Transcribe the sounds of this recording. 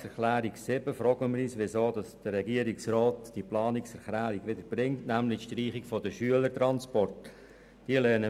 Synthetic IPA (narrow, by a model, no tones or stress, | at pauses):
ɛχlæːɾiksɪbəfɾɔɡəməɾiːsʋɪsoːd̥ɑsd̥əɾɛɡiəɾiksrɔːtd̥iplɑːniksɛɾχlæːɾiɡʋɪdəb̥ɾɪŋtnæmlɪʃtriːχikfodəʃyələɾtɾɑnspɔrt | d̥iəlɛːnə